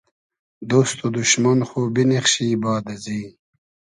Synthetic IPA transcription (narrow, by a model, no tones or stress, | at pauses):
d̪oːst̪od̪uʃmanxobiniχɕiːbɑːd̪ɐziː